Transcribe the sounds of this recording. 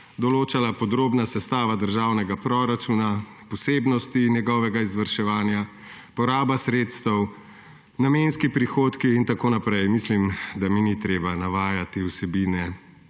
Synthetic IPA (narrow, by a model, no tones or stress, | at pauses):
d̪ɔloːt͡ʃalapɔd̪ɾoːbnasɛst̪aːʋad̪əɾʒaːwnɛɡapɾoɾat͡ʃuna | pɔseːbnɔst̪injɛɡɔːʋɛɡaizʋɐɾʃɛʋaːnja | pɔɾaːbasɾet̪st̪ɛw | namenskipɾixoːt̪kiːnt̪akoːnapɾɛjmislimd̪aminit̪ɾeːbanaʋaːjat̪iwsɛbiːnɛ